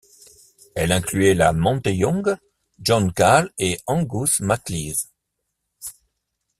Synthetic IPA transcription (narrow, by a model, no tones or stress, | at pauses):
ɛlɛ̃klyɛlamɔ̃t̪ejɔ̃ɡ | ʒɔ̃nkaleɑ̃ɡusmakliz